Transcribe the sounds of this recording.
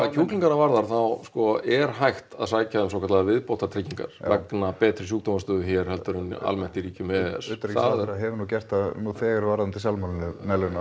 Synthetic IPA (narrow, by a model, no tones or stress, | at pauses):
aðcʰuːkliŋkanavaɾðaɾ̥θawskɔɛɾ̥ɦajxt̪aðsaːjcaðɛmsowkat̪laðavɪðpowht̪at̪ʰɾɪcːiŋka̰ɾ̥vɛknapɛːt̪ɾɪsjuːk̚t̪ɔmast̪ʏːðʏçɛɾ̥hɛlt̪ʏɾʏna̰lmɛn̥t̪iɾiːcʏmɛɛ̰st̪ɾθaðɾaɦɛvʏnuːcɛr̥t̪aðnuθɛːɣɪɾvaːɾant̪ʰɪsalmalnɪnɛlʏna